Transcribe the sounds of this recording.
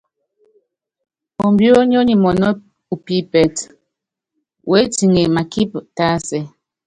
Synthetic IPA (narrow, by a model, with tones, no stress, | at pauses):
o˨mbjo˦ɲ˦o˦ɲi˨mɔ˨nɔ˦ | u˨pi˦pɛ˨t | wʔe˦ti˨ŋe˨ma˨ki˦p̚ta˦sɛ˦